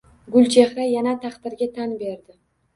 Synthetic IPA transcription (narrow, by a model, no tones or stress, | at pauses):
ɡʊlʲˠt͡ʃʰe̞hɾajanat̪ʰɑqd̪ɪɾɡʲat̪ʰanbe̞ɾd̪ɪ